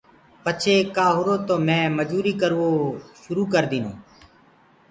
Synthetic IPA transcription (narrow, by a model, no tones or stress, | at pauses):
pət͡ʃʰeːkaːɦʊɾoːt̪oːmɛ̃ːməd͡ʒuːɾiːkəɾʋoːʃʊɾuːkəɾd̪iːno̰ː